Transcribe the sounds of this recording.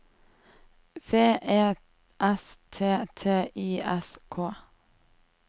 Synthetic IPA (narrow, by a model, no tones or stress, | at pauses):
feːʔeː | ʔɛst̪ʰeːt̪ʰeːʔiːʔɛskʰoː